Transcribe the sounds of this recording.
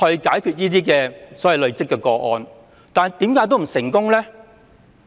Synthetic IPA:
hɵ˧ɥkaː˨˥jkʰy˧t̚jiː˥t̪iː˥kɛː˧sɔː˨˥wɐ˨jlɵ˨ɥt͡sɪ˥kːɛː˧kɔː˧ʔɔ̰ː˧n | t̪aː˨˩nt̪i˨˥mkaː˨˥jt̪̬o˥wm̩˨˩sɪ˨˩ŋkʊ˥ŋlɛ˥

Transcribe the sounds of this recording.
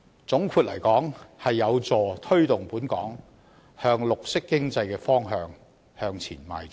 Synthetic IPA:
t͡sʊ˨˥ŋkʰuː˧t̚lɐ̰˨˩jkɔː˨˥ŋhɐ˨jːɐ˨˧wt͡sɔː˨t̪ʰɵ˥ɥt̪ʊ˨˩ŋpuː˨˥nkɔ̰ː˨˥ŋ | hœː˧ŋlʊ˨k̚sɪ˥kːɪ˥ŋt͡sɐ˧jkɛː˧fɔː˥ŋɦœː˧ŋ | hœː˧ŋt͡sʰḭː˨˩nma̰ː˨˩j

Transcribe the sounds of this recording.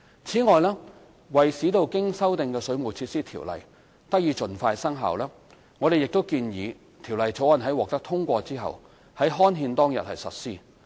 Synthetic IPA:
t͡sʰiː˨˥ŋɔː˨jlɛː˥ | wɐ˨jsiː˨˥t̪o˨wkɪ˥ŋsɐ˥wt̪ɪ˨ŋkɛː˧sɵ˨˧ɥmu˨˩t͡sʰiː˧t̚siː˥t̪ʰiː˨˩wlɐ̰˨˩j | t̪ɐ˥k̚jiː˨˧t͡ʃɵ˨nfaː˧jsɐ˥ŋɦa̰ː˨wlɛː˥ | ŋɔː˨˧ɾe˨jɪ˨k̚t̪o˥wkiː˧njiː˨˧ | t̪ʰi˨˩wlɐ˨jt͡so˨˥wɐ˨˩nɦɐ˨˥jwɔː˨k̚t̪ɐ˥k̚t̪ʰʊ˥ŋkʷɔː˧t͡siː˥ɦɐ̰˨˩w | hɐ˨˥jɦɔː˥nɦiː˧nt̪ɔː˥ŋjɐ̰˨t̚hɐ̰˨jsɐ̰˨t̚siː˥

